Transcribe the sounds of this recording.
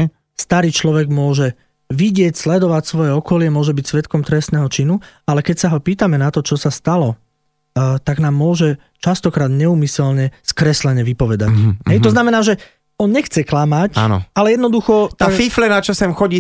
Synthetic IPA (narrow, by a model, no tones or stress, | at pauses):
st̪aɾiːt͡ʃlɔʋɛɡmʊɔʒɛ | ʋiɟɪɛcslɛd̪ɔʋacsʋɔjɛɔkɔlɪɛmʊɔʒɛbicsʋɛt̪kɔmt̪ɾɛst̪nɛːɦɔt͡ʃinualɛkɛcsaɦɔpiːt̪amɛnat̪ɔt͡ʃɔsast̪alɔ | t̪aɡnaːmːʊɔʒɛ | t͡ʃast̪ɔkɾaːd̪ɲɛuːmisɛlɲɛskɾɛslɛɲɛʋipɔʋɛd̪a̰cɦɦɛjt̪ɔznamɛnaːʒɛ | ɔnɲɛxt͡sɛklamaca̰n̰alɛjɛd̪nɔd̪uxɔt̪afiflɛnat͡ʃasɛmxɔɟiː